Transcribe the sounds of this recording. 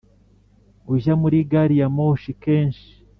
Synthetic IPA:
uʒamuɾiɡaɾijamoːʃike̞ːnʃi̥

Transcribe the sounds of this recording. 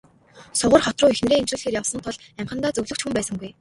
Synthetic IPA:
sʊʁə̆rχɔt̪rʊːixn̆ɾeːemt͡ɕrɘ̆ːɮxeːrjawsə̆nt̪ʰʊɮ | æɴχə̆nt̪aːt͡sɵɣɮɵ̆kt͡ɕxumpæːsə̆ŋɡuj

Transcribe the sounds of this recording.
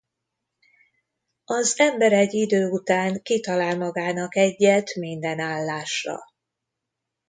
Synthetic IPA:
ɒzɛmbɛɾɛɟid̪øːut̪aːŋkit̪ɒlaːlmɒɡaːnɒkɛɟːɛt̪mind̪ɛnaːlːaːʃrɒ̰

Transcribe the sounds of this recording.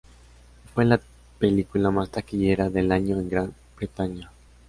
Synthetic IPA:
fwela | pelikulamast̪akiʎe̞ɾaðe̞laɲo̞eŋɡɾan | b̥ɾet̪aɲa

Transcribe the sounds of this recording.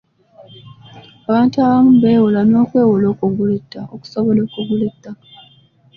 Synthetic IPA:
aβaːntuaβamubeːwulano̞ːkwe̞ːwulo̞ːkuɡuletːaoku̥soβolo̞ːkuɡuletːa

